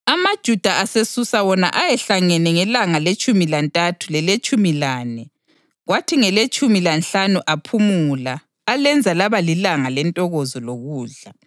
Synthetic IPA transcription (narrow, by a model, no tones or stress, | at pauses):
amad̥ʒ̥ʱud̥ʱaʔasesusawɔna̰ʔajɛɬaŋɛnɛŋɛlaŋalet͡ʃʼumilantʼatʰulɛlet͡ʃʼumilaːnɛ | ɣwatʰiŋɛlet͡ʃʼumilanɬanuʔapʰumulaː | lɛnd͡zʱalaβalilaŋalɛntʼɔɣozɔloɣuːɮa